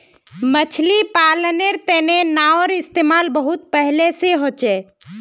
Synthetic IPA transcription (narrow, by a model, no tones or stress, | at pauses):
mət͡ʃʰlipaləneɾt̪enenaɔɾɪst̪eːmaːlbəɦut̪̚pəɦleseɦot͡ʃɛ